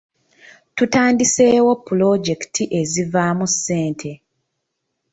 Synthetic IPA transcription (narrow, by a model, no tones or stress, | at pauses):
tutaːndise̞ːwo̞pːulo̞ɟe̞ktʰiʔe̞zivaːmusːeːntʰe̞